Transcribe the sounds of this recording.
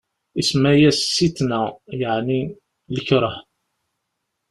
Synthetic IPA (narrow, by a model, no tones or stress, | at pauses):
ismæjæsːit̪næjəʕni | ləçɾˤəħ